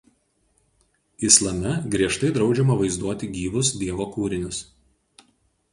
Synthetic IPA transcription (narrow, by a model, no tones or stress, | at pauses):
ɪslˠɐmʲɛɡɾʲiɛʃt̪ɐɪd̪ɾɒʊd͡ʒʲɛmɐʋɐɪzd̪uɔt̪ʲɪɡʲiːʋʊsd̪ʲiɛʋoːkuːɾʲɪnʲʊs